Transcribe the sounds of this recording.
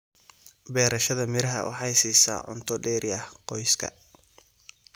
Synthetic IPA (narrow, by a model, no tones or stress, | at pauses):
bɛːɾɐʃɐðɐmɪɾɐɦɐwʔɑ̰ħɑjsiːsa̰ːʕʊ̰nt̪ʰɔɖɛːɾɪɐhqɔjskʰɐ̰